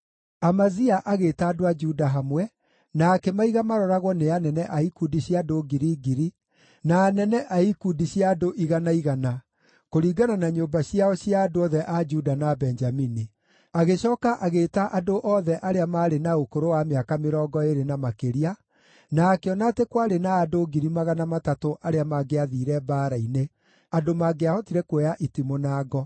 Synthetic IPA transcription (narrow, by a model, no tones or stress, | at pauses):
amaziaʔaɣeːtaːdoad͡ʒudaɦamwɛ | naːkɛmaiɣamaɾɔɾaɣwɔneanɛnɛʔaikudiɕjadoɡiɾiːɡiɾi | naːnɛnɛʔaikudiɕjadoʔiɣanaiɣana | koɾiɡananaɲombaɕiaɔɕjaːdoɔðɛʔad͡ʒudanabɛnd͡ʒamini | aɣeɕɔːkaʔaɣeːtaʔadoʔɔːðɛʔaɾeamaːɾenaokoɾowameakameɾɔːɡɔeɾenamakeɾia | naːkeɔnatekwaɾenaːdoɡiɾimaɣanamatatoʔaɾeamaɡeaðiːɾɛbaːɾaine | adomaɡeahɔtiɾɛkwɛjaʔitimonaːɡɔ